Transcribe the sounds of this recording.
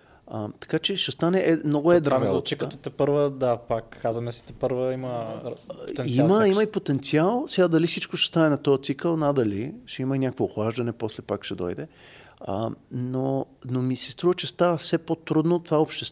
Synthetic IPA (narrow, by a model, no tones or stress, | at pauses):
ət̪ɐ̥kat͡ʃɛʃɛst̪anɛʔɛmnɔɡoɛd̪at͡ʃiktɐt̪ot̪ɛpɤɾvəd̪apakːazvɐmɛsi̥t̪ɛpəɾvəimə | t̪ɛniməiməipot̪ɛnt̪sialˠsɛɡad̪ɐlifsit͡ʃkoʃɛ̥st̪anɛnɐt̪ɔjət̪sikəlˠnad̪ɐliʃɛiməinʲjakvoːxvaʒd̪ɐnɛpɔslɛpakʃɛd̪ɔ̰jd̪ɛə̰nonomisɛst̪ɾuvət͡ʃɛst̪avəfsɛpot̪ɾud̪not̪ovaopʃt̪ɛst̪